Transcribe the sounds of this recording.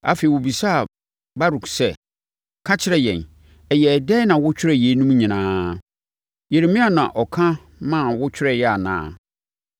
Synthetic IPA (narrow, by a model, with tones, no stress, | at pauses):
a̰˨fe˨i˨wo˨bi˨sa˦˨ | ba˦ɾu˨ksɛ˦˨ | kʰã˦t͡ɕʰɪ˦ɾɛ˦jɛ̰̃˨n | ɛ˨jɛ˨dɛ˦nã˨wʊ˦t͡ɕʰᶣɪ˦ɾɛ˦jɛ˨˦nũ˦m˦ɲĩ˨nãː˦ | je˨ɾe˨mĩ˦a˨nã̰˨ʔɔ˨kʰã˦ | mã˦˨wʊ˦t͡ɕʰᶣɪ˦ɾɛ˦jɛ˦a˨nã̰ː˦˨